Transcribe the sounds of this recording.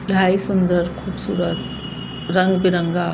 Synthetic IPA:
laːisʊnd̪əɾkʰuːbsuːɾət̪ | ɾɐ̃ŋɡbɪɾə̃ŋɡa

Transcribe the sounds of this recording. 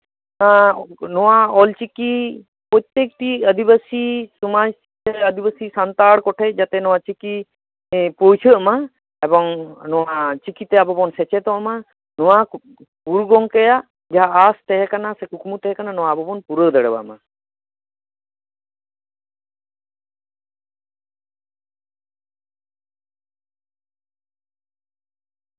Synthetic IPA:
nɔwaɔlt͡ʃiki | pɔt̪ːekʈiəd̪ʱibasisumad͡ʒ | eəd̪ʱibasisant̪aɽkɔʈʰɛd͡ʒat̪ɛnɔwat͡ʃiki | pojt͡ʃʰəʔma | ebɔŋnɔat͡ʃikit̪eabɔbɔnsɛt͡ʃet̪ɔʔma | nɔwa | kuɾɡɔŋkɛjaʔ | d͡ʒaɦaʔːst̪ɛɦɛkanasɛkukmut̪ɛɦɛkananɔwabɔbɔnpuɾəd̪əɽəba̰ʔma

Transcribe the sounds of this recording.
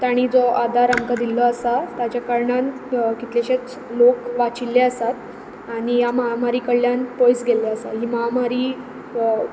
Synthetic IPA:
t̪aɽ̃iːd͡zɔʔad̪ʱaɾamkad̪ilɔəsat̪jat͡ɕjakəɾɳankit̪leɕet͡s | lokʋat͡ɕilːeəsat̪ | aɽijaməɦamaɾiːkəɭjanpojsɡelːeəsa̰ɦiːməɦamaɾiː

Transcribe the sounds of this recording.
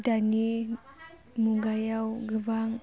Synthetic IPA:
dani | muɡajawɡəvaŋ

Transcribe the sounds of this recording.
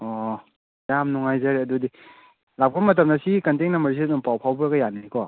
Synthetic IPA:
ɔ | jamnuŋajzaɾiɐdudi | lap̚kʰapmɐt̬ɐmnasikɐnteŋnamaɾs̬idɔmpawpʰawbuɾaɡɐjanijkɔ

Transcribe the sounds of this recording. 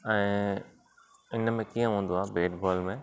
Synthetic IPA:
ɛ̃ː | ɪnəmẽkiːə̃ɦũːn̆d̪oaːbeːʈbɔːlmẽ

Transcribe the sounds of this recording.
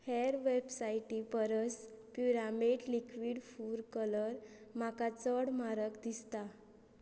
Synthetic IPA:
hɛɾʋebsaiʈipəɾəspjuɾamiɖlikʋiːɽfuɾkələɾmakat͡səɽmaɾəkd̪ist̪a

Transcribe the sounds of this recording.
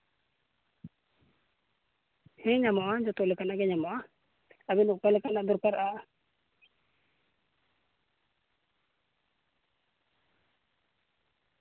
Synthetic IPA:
hɛ̃ɲamɔʔad͡ʒɔt̪ɔlɛkanaʔɡɛɲamɔʔa | abɛnuʔkalɛkanaʔd̪ɔɾpaɾʔaʔ

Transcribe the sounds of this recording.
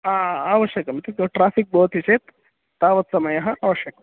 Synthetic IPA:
aːaːʋɐʃjɐkɐmt̪ikʈɾaːfʰik̚bʱɐʋɐt̪it͡ʃeːt̪ː | aːʋɐt̪sɐmɐjɐɦɐʔaːʋɐʃjɐkɐm

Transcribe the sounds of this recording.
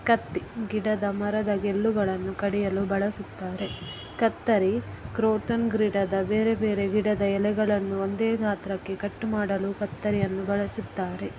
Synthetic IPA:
kɐt̪ːiɡiɽɐd̪ɐmɐɾɐd̪ɐɡelːuɡɐɭɐnːukɐɽijɐlubɐɭɐsut̪ːaːɾe̞ | kɐt̪ːɐɾi | kɾoːʈɐnɡɾiːɖɐd̪ɐbe̞ːɾebe̞ːɾe̞ɡiɽɐd̪ɐɛlɛɡɐɭɐnːuond̪eːɡaːt̪ɾɐkːe̞kɐʈːumaːɽɐlukɐt̪ːɐɾijɐnːubɐɭɐsut̪ːaːɾe̞

